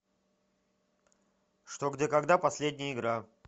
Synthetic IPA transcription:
ʂt̪oɡdʲekɐɡd̪apɐsʲlʲed̪ʲnʲɪjəɪɡɾa

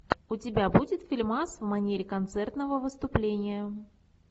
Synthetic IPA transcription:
ʊtʲɪbʲabudʲɪt̪fʲɪlʲmasvmɐnʲeɾʲɪkɐnt̪sɛrt̪nəvəvɨst̪ʊplʲenʲɪjə

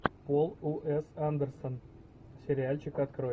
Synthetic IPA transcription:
polˠuʔesand̪ərson | sʲeɾʲɪalʲt͡ɕikat̪kro

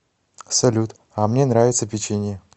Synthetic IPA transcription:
sɐlʲut̪ | amnʲenɾavʲɪt̪səpʲɪt͡ɕenʲɪjə

